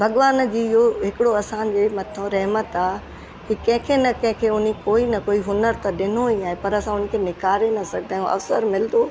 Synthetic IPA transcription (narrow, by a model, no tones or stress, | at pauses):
bʱɐɠʋaːnd͡ʑiːɪɦoɦɪkɪɽoɐsãnd͡ʑeːmɐt̪ʰõɾɐɦmət̪aː | kikɐ̃ɦɪ̃kʰenɐkɐ̃ɦɪ̃kʰeːʊn̤ikoːinɐkoːiɦʊnəɾt̪ɐɗɪn̤oɦaːɦepɐɾɐsãʊnə̆kʰeːnɪkaːɾenɐsɐɡʱd̪ʱãːjũʔɐ̰fsəɾmɪld̪oː